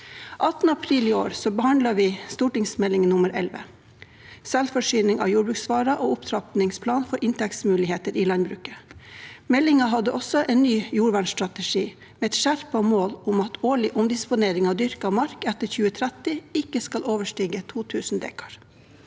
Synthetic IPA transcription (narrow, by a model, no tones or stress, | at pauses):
ʔɑt̪nəɑpʰɾiːlɪo̰ːɾsɔbəhɑnd̪lɑʋiːst̪uːʈɪŋsmɛlɪŋənʊməɾʔɛ̰lʋə̰ | sɛlfɔʂyːnɪŋɑ̰ːjuːbɾʉːksʋɑːɾɑʔoːʊpt̪ʰɾɑpnɪŋspʰlɑːnfɔɾʔɪnt̪ʰɛksmʉːlɪheːt̪əɾiːlɑnbɾʉːkə | mɛlɪŋɑɦɑd̪əʔɔsɔʔeːnnyːjuːɾʋæɳst̪ɾɑt̪ɛʂiː | meːɛt̪ʃæɾpɔmoːlʊmɑt̪ʰoːɭɪʔʊmd̪ɪspʊneːɾɪŋɑd̪ʏɾkɑʋmɑɾkɛt̪əçʉːət̪ʰɾæt̪ɪɪkəskɑloːʋəʂʈiːɡət̪ʰuːt̪ʰʉːsn̩d̪ḛːkʰɑ̥ɾ